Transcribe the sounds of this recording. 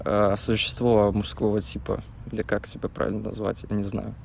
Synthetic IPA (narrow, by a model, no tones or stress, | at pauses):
əsʊɕːɪ̥st̪vomʊʂskvovətʲipə̰d̪lʲɪkaktʲɪbʲapɾa̰ɪ̰lʲnənɐ̰zva̰tʲjanʲɪzna̰jʊ